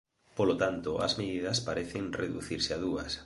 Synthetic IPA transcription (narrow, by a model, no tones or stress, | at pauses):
polot̪ant̪oɐ̰zmeðiðɐspaɾeθɪŋreðṵθiɾsɪaðuɐ̰s